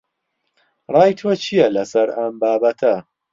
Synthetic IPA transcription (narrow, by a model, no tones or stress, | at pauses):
rˤɑːjt̪ʰot͡ʃʰijɐlɐsɐɾɐmbaːbɐt̪ʰɐ